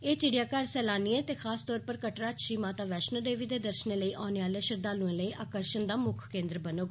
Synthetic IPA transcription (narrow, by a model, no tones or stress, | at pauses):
eːt͡ʃɪɽɪjaːkaɾsɛːlaːniːẽːt̪eːxʰaːst̪ɔːɾpəɾkəʈɾaːʃiːmaːt̪aːʋɛːʃnəlɖeːʋiːd̪eːd̪əɾʃənẽːləiːʔaːneːʋaːleːʃəɾd̪aːlũẽːləiːʔaːkəɾʃənd̪aːmʊkʰkẽːnd̪ɾbənoːɡ